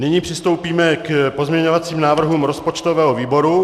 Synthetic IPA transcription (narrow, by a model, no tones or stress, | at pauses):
nɪɲiːpr̝̥ɪst̪o̞wpiːmɛkpozmɲɛɲovat͡siːmnaːvr̩ɦuːmɾo̞spot͡ʃt̪ovɛːɦoviːbo̞ɾu